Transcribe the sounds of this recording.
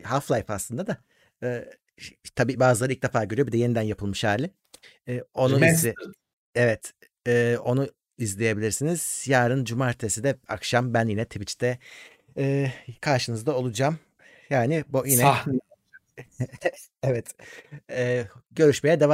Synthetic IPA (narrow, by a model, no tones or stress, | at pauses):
haflˠajpaslˠɯnd̪ad̪a | ɛː | t̪ʰabiːbaːzɯlˠaɾɯilcd̪e̞faːɾɟøɾyjobid̪ɛje̞nid̪ænjapʰɯlˠmɯʃæɾlʲɪː | o̞nu | evɛt̪ | ɛːo̞nu | izlʲeje̞bilʲiɾsiniz̥jaːɾɯnd͡ʒumaɾt̪ʰesid̪ɛa̰kʃambænjinɛt̪ʰibit͡ʃt̪ɛ | ɛːkʰaɾʃɯnɯzd̪ao̞lˠud͡ʒaːm | jaːnɪbujinɛ | evɛt̪ | ɛːɟø̞ɾyʃmejɛd̪eva